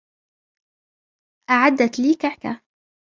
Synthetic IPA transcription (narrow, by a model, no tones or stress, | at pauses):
ʔaʕad̪ːat̪liːkaʕka̰